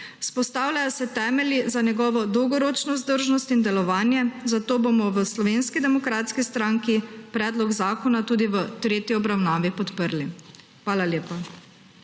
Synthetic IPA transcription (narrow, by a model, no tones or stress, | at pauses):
spɔst̪aːwlajɔsɛt̪ɛːmɛljizanjɛɡɔːʋɔd̪ɔwɡɔɾoːt͡ʃnɔzd̪əɾʒnɔst̪ind̪ɛlɔʋaːnjɛzat̪oːbomɔʋəslɔʋeːnskid̪ɛmɔkɾaːt̪skist̪ɾaːŋkipɾɛːd̪lɔɡzaːkɔnat̪uːd̪iʋət̪ɾeːt̪jiɔbɾawnaːʋipɔt̪pəɾlixʋaːlaljeːpa